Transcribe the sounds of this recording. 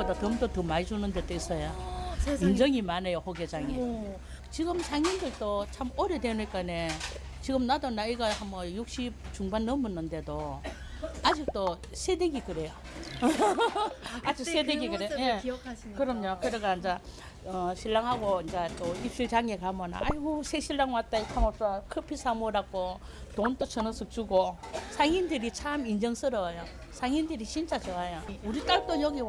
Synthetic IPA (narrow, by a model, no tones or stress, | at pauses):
od̪otɯmdotɯmad͡ʑunɯnde̞tois͈ʌja | ind͡ʑʌŋimanejohoɡed͡ʑaŋe | t͡ɕiɡɯmt͡ɕaŋindɯɭt͈ot͡ɕʰamoɾedenuik͈ane | t͡ɕiɡɯmnadonaiɡahamʌjuk̚ɕ͈it͡ɕuŋbanːʌmɯnːɯnde̞do | ad͡ʑik̚t͈o | sʰedeɡikɯɾejo | ad͡ʑɯsʰedeɡiɡɯɾejoje | kɯɾʌmɲokɯɾeɡand͡ʑa | ʌɕʰiɭːaŋɦaɡond͡ʑat͈oipɕ͈ut͡ɕaŋeɡamʌna̰aiosʰeɕʰiɭːaŋwat͈aikʰamos͈okʰɯpʰisʰamoɾak͈o | tont͈ot͡ɕʰɯnɯsʰɯk̚t͡ɕuɡosʰaŋindɯɾit͡ɕʰamind͡ʑʌŋsɯɾʌjo | sʰaŋindɯɾiɕʰint͡ɕʰat͡ɕɯajauɾit͈aɭt͈ojʌɡi